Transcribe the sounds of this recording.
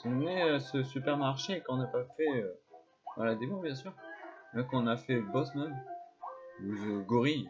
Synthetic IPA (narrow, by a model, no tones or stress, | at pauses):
sɔ̃nɛøsəsypɛʁmaʁʃekɔ̃napafɛø | va̰lad̪emõbjɛ̃s̬yːʁmɛkɔ̃nafɛbɔsman | uəɡɔʁi